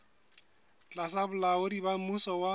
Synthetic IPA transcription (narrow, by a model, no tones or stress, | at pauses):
t͡ɬʼasabʊlaʊdibamusɔwa